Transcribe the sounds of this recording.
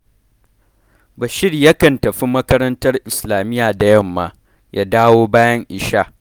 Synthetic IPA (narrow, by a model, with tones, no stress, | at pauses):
ba˨ʃɪ˦rjɐ˦kɐ˨ntɐ˨ɸi˦mɐ˦kɐ˦ɾɐ˦ntɐ˦rʔɪ˨slaː˨mɪ˦jaː˨da˨jɐ˦˨mːa̰˨ | ja̰˦daː˦woː˦baː˦jɐ˦ŋʔɪ˨ʃaː˦ʔ